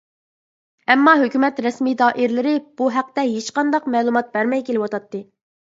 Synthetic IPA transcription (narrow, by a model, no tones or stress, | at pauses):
ɛmːɑɦøkʲymɛt̪ɾɛsmid̪ɑːʔɪɾlɪɾɪb̥uɦæq̚t̪ɛɦet͡ʃqɑnd̪ɑqmɛːlˠumɑt̪̚bɛɾmɛjkʲelɪwɑt̪ɑt̪ːɨ